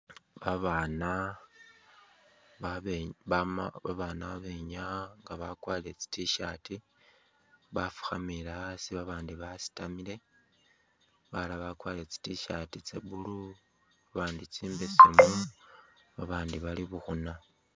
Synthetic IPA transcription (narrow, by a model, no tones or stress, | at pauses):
βaβana | aββaβaːnaβaβe̞ɲaŋɡaβakwaːle̞t͡si̥tiʃati | βafu̥xamilasiβaβaːndiβasi̥tamile̞ | βalaβakwaːlet͡si̥tiʃatit͡sḛβulu | βaβaːndit͡siːmbesimu | βaβaːndiβaliβuxuna